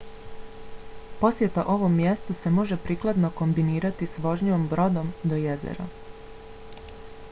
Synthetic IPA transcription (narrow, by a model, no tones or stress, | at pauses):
po̞sje̞t̪aʔo̞ʋo̞mːje̞st̪use̞mo̞ʒe̞pɾiːklˠad̪noko̞mbiniːɾat̪isʋo̞ʒɲiombɾo̞d̪o̞md̪ojezḛɾa̰